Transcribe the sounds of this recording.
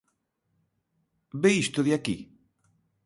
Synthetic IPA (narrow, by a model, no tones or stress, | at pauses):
beist̪oðjaki